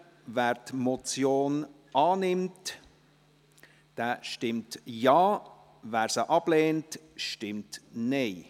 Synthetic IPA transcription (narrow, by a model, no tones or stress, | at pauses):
væːɾtmɔt͡sjoːn | ɑːnɪmt | d̥ɛːʃtɪmtjɑː | væːɾsəʔɑb̥leːntʃtɪmtneɪ